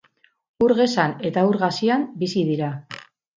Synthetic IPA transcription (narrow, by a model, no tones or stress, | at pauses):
uɾɣe̞sane̞t̪auɾɣasiambisiðiɾa